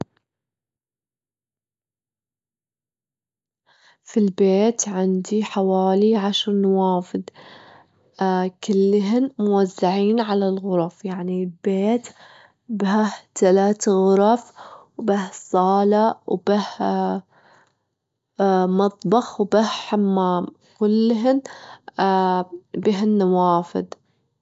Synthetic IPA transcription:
filbeːt̪ʕɪnd̪iħawaːliʕaʃɾˤnawaːfɪd̪ | kɪlːɦɪnmʊwazːaʕiːnʕalalɣʊɾˤɑfjaʕnilbeːt̪ | baht̪alaːt̪ɣʊɾˤɑfwbahsˤɑːlawb̥ah | mɑt̪ˤbɑxwbahħamːaːm | kʊlːɦɪn | bɪɦnːawaːfɪ̰d̪

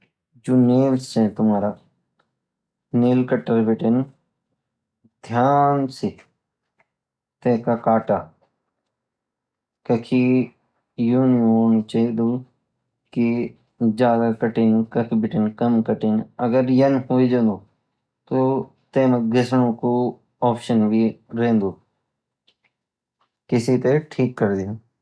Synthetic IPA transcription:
d͡ʒoːneːlsẽt̪ʊmaːɾa | neːlkəʈəɾbɪʈɪn | d̪ʱjaːnsi | t̪ẽːkakaːʈaː | kɐkʰi | juːnjoːnt͡ʃɐid̪uː | ki | d͡ʒjaːd̪akəʈɪnkɐkʰibɪʈɪnkɐmkəʈɪnɐɡəɾjɐnɦoːid͡ʒə̃nd̪oː | t̪oː | t̪eːmɡʱɪsɽ̃õko | ɔːpʃənbʱiɾẽːnd̪oː | kɪsit̪eʈʰiːkːəɾd̪ɪj

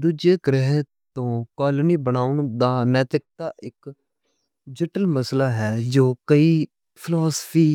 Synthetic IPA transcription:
d̪uːd͡ʒeːkɾɛɦ | t̪õːkaːləniːbənaːʊnd̪aːnɛːt̪ɾɪk̚t̪aːʔɪk | d͡ʒɪʈəlməslaːɦɛːd͡ʒoːkəiː | pʰɪlaːspʰiː

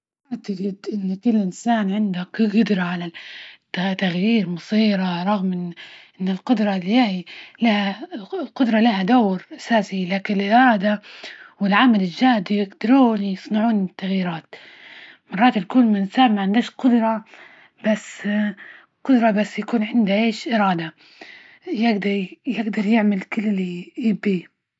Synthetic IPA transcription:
aʔt̪ɪɡɪd̪ʔɪnːkɪlːʔɪnsaːnʕɪnd̪akɡʊd̪ɾˤɑʕala | t̪ːaɣjiːɾmɑsˤiːɾaɾˤɑɣmʔɪnʔɪnːɪlqʊd̪ɾˤɑljailahalqʊd̪ɾˤɑlahad̪awɾʔasaːsilaːkɪnɪlʔɾˤɑːd̪awɪlʕamalɪld͡ʒaːhd̪ijɪɡd̪ɑɾˤuːnjɨsˤnɑʕuːnɪt̪ːaɣjiːɾaːt̪ | mɑrˤːɑːt̪ɪlkuːnmɪnsaːbmaʕɪnd̪aʃqʊd̪ɾˤɑ | b̥asː | qʊd̪ɾˤɑbasːjakuːnʕɪnd̪aʔeːʃʔɪɾˤɑːd̪a | jɪɡd̪ɑɾˤjɪɡd̪ɑɾˤjɪʕmalkɪlːɪlːiɪbi

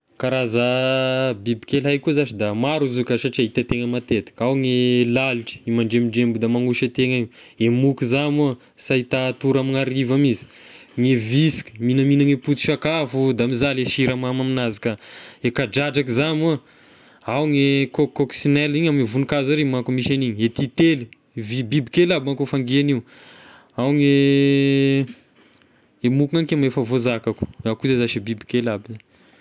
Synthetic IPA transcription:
kaɾaza | bibikelajkuzaʃid̪amaɾuzukaʃaʈ͡ʂiaɦit̪at̪eŋəmat̪et̪i̥kawŋelaliʈ͡ʂi̥imaɳɖ͡ʐemiɖ͡ʐembud̪amaŋuʃət̪eŋaɲemukizamu | sait̪at̪uɾamiŋaɾivamizi̥ŋevisi̥kʲə̥minəminəŋeput̪u̥ʃakafud̪amizaleʃiɾamamaminazikaekaɖ͡ʐad͡ʒakizamu | awŋekokoksinɛliɲamievunikazaɾimakumiʃaniɲiet̪it̪eli | vibibikelabaŋkufaŋɡianiw | awŋe | emukuŋanikemefavozakaku̥akuzezaʃibibikelabin

